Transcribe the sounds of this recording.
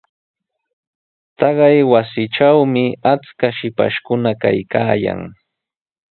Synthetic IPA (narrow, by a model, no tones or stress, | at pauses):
t̪ɑɢɑjwasɪʈ͡ʂawmɪat͡skaʃɪpa̰ʃkʊnaka̰jkaːja̰ŋ